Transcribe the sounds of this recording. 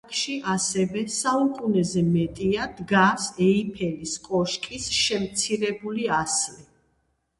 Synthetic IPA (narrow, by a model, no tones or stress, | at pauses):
kʰʼʃiʔasɛvɛsaukʼunɛzɛmɛt̪ʼiad̪ɡasɛipʰɛliskʼɔʃkʼisʃɛmt̪sʰiɾɛbuliasli